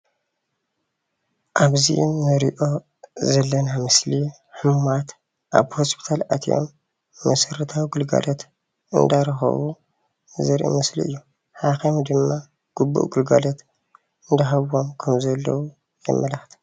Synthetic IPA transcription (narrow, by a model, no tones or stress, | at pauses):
ʔaβzḭʔmːɨɾiʔo̞ | zɐlːɐnamɨsli | ħɨmat̪ | ʔa̰βhospʰi̥t̪ʰalat̪ʰijo̰mː | ɐsɐɾɐt̪ʰawiɡɨlɡa̰lʔot̪ | ʔɨnd̪aɾɐxɐ̰βu | zɨɾʔḭmɐslḭɨ̰jːu | ħaxemud̪ɨmːa | ɡ̥ubːṵʔɡɨlɡalot̪ | ɨnd̪ɐɦaβo̞mkʰɐmzɐlːɐwu | jɛ̰mːɐlaxt̪ʰi̥